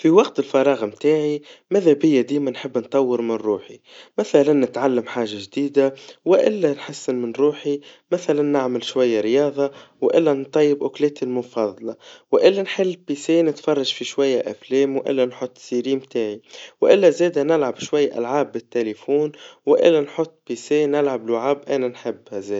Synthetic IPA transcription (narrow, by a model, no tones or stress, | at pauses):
fiwɑqt̪ɪlfɑɾˤɑːɣmt̪aːʕimæðæbɪjːæd̪iːmænħəbːnt̪ˤːɑwːəɾmɪnɾuːħimæθælænːɪt̪ʕalːamħaːʒaʒd̪iːd̪awɪʔɪ̰lːænħasːɪnmɪnɾuːħimæθælanːɪʕmɪlʃwajːaɾjɑːðˤɑwʔɪlːænt̪ˤːɑjːɪbʔʊklɛːt̪ilmʊfɑðˤlɑwʔɪlːanħɪlːpiːseːnɪt̪fɑrˤːɑʒfiʃwajːaʔafleːmwʔɪ̰lːanħʊt̪ˤːsiɾiːmt̪aːʕiwʔɪlːazeːd̪anɪlʕabʃwajːʔa̰lʕaːbːɪt̪ːelefuːnwʔɪ̰lːanħʊt̪ˤːpiseːnɪlʕablaʕaːbʔænanħɪbːhazeː